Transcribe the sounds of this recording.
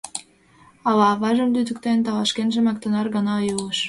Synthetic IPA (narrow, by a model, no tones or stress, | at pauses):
ɑlɑβɑʒə̆mlyd̪ə̆kt̪ent̪ɑlɑʃkenʒĕmɑk̚t̪ə̆nɑrɣɑnɑjuəʃ